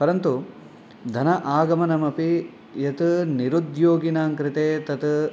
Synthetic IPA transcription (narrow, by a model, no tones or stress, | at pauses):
pɐɾɐnt̪u | d̪ʱɐnɐʔaːɡɐmɐnɐmɐpi | jɐt̪niɾud̪joːɡinaːŋkɾit̪eːt̪ɐt̪